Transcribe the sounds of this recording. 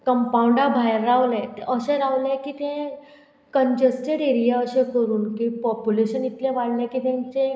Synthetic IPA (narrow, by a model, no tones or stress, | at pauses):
kəmpawɳɖabʱajɾːawlɛ̃t̪eʔəɕẽɾaʋlẽkit̪ẽ | kənd͡ʑesʈeɽeɾijaəɕẽkəɾuːnkipɔpjuleɕənit̪lẽʋaɽlekit̪ẽɲt͡ɕẽ